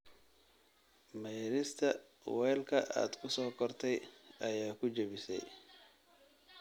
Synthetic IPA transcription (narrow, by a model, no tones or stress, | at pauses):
mɛjɾɪst̪ʰɐ | wɛːlkʰɐʔa̰ːd̪kʰʊsɔːkʰɔrt̪ʰɛjɐjaːkʰʊt͡ʃɐβɪsɛ̰j